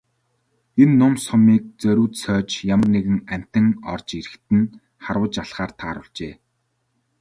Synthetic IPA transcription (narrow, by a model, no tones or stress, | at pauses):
enːʊmsɔmiːk̚t͡sœɾʲuːt̪sœːt͡ɕjamə̆rneɣɘ̆ŋæm̥ʲt̪ɘ̆ŋɔ̰rt͡ɕeɾɘ̆xt̪ɘ̆n | χarwə̆t͡ɕaɮχaːrt̪ʰaːɾʊ̰ɮt͡ɕeː